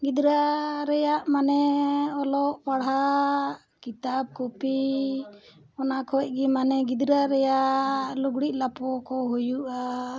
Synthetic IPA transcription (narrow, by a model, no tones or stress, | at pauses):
ɡid̪ɾaɾɛjaʔmanɛɔlɔʔpaɽɦa | kit̪ab̚kɔpi | ɔnakʰɔʔ̚ˀɡimanɛɡid̪ɾaɾɛjaʔluɡɽiʔ̚ˀlapɔkɔɦujuʔa